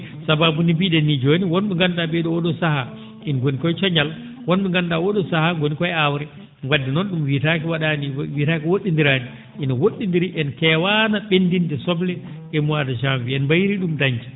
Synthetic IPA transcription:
sababunibiɗɛnːid͡ʒoniwɔnɓɛŋɡandaɓɛɗɔwɔɗɔsaha | ʔinɡonikɔjt͡ʃɔɲal | wɔnɓɛŋɡandawɔɗɔsahaɡonikɔjɛawɾɛ | ŋɡwadːinɔnɗumwitakiwaɗaniwitakiwoɗːindiɾaːni | ʔinɔwoɗːindiɾiʔɛnkɛwanaɓendindɛsɔblɛ | ɛmuwadaʃamviɛnbajɾiɗumdaɲd͡ʒi̥

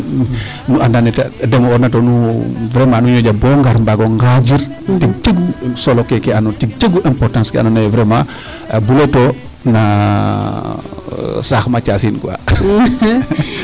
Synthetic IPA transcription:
nuʔandanɛtadɛmɔɔnatonuvɾemanuɲoɟabɔŋɡaɾmbaɡoŋɡad͡ʒiɾ | tit͡ʃeɡusolokekeanotit͡ʃeɡuʔɛmpɔɾtãnskɛa̰nɔnajvɾema | buleto | na | saxmat͡ʃasinkua̰

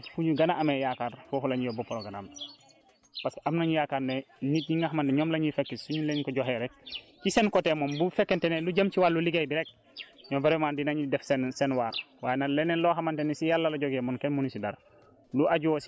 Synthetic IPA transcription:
fuɲuɡɐnaʔamejakaːɾfofulaɲijobopoɾoɡana̰ːm | paskamnaɲijaːkaɾnenit̚ɲiŋɡaɦamanteɲomlaɲifekːissuɲuleɲkoɟoɦeɾek̚ | t͡ʃisenkotemonbufekːenteneluɟamt͡ʃiwalːuliɡejbiɾek̚ | ɲɔmbeɾemaːndinaɲidɛfsensenwaːɾ | waːjenaleneloɦamantenisijalːaloɟoɡemonkenmunisida̰ɾ | luʔaɟuosi

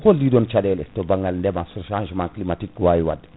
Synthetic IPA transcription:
koldiːdɔnt͡ʃadɛlɛtobaŋɡɐlndɛmasuɾʃãːnʒmãklimatik̚ːwaːjwa̰d

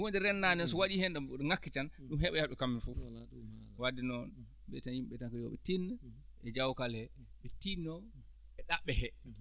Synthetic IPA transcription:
wondiɾɛnːanɛnsɔwaɗihɛnɗɛmbuɗŋakːit͡ʃanɗumhɛɓɛjaɗɛkamːifu | wadinɔn | ɓɛtanjimɓɛtankajɔ̰ɓɛ̰tinː | ʔɛd͡ʒawkalɛ | ɓɛtinːɔ | ɛɗaɓːɛhɛ

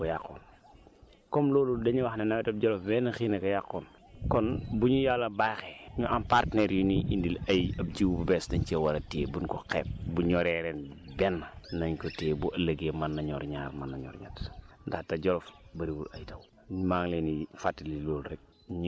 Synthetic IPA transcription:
kɔjaqːɔ̰ːn | kɔmlɔːludɐɲuwɐxnɐnɐwɛtɐb̚ɟɔlɔfbɛnɐxinɐkɔjaqːɔn | kɔnbuɲujalːɐbajxɛɲuʔampartnɛɾjuniʔindilɐjɐp̚d͡ʒiwbubɛsdɐɲt͡ʃɛwɐɾɐtḛːbunkɔqɛ̰ːp̚buɲɔɾɛɾɛnbɛnːɐnɐɲkɔteːbuɐlɐɡemɐnːɐɲɔːɾɲaːrmɐnːɐɲɔ̰rɲɐ̰tndɐxtɐɟɔlɔfbɐɾibulɐjtɐw | maːŋlenifatːililɔːlurɛk̚ | ɲ

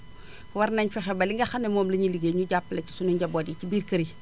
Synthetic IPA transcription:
waɾnaɲfexebaliŋɡɐxanemoːmlɐɲiliɡeɲuɟapːlet͡ʃi̥suniɲɟabodit͡ʃibiɾkɐɾi

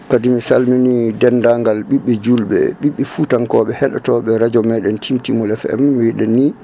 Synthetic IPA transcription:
kadimisalminidɛndaŋɡalɓiɓːɛd͡ʒulɓɛ̰ɓiɓːɛfutaŋkɔɓɛhɛɗɔ̰tɔɓɛɾad͡ʒɔmɛɗɛntʰimtimɔlɛfɛ̰mmiwiɗɛnːi

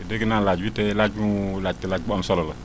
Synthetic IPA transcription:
edekinalad͡ʒbitelad͡ʒulad͡ʒ̚telad͡ʒbamsɔlɔlə

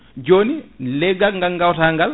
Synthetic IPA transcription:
d͡ʒoːnileɡaŋɡaŋɡawtaːŋɡɐl

